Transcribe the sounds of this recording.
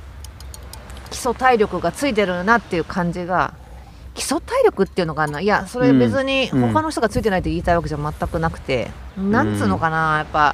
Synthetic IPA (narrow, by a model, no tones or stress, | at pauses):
kʲi̥so̞t̪aiɾʲo̞kɯ̟ɡat͡sɨit̪̬e̞ɾɯ̟nat̪ːe̞jɯ̟kʰãɲ̟d͡ʑiɡa̰ | kʲi̥so̞t̪aiɾʲo̞kɯ̟t̪ːei̟noɡanãiaso̞ɾe̞be̞t͡sɨɲ̟iho̞kano̞çit̪oɡat͡sɨit̪e̞nait̪oiːt̪aiβak̬e̞ʑaamat̪ːakɯ̟nakɯ̟̥t̪ẽ̞̰nãɲt͡sɨːnːokanajapːa